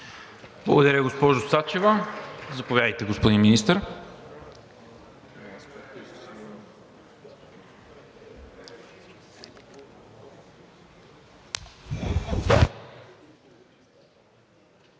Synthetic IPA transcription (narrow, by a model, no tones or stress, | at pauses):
b̥lˠɐ̰ɡʊd̪ɐɾʲəɡospɔʒʊsat͡ʃɛvəzɐpovjad̪əjt̪ɛɡospod̪inminist̪əɾ